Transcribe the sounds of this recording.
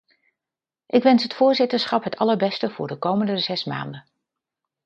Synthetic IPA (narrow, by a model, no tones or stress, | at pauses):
ʔɪkʋɛnsɦətfʊːɹzɪtəɹsχɑpɦətʰɑləɹbɛstəv̥ʊːɹdəkowməndəzɛsma̰ːndə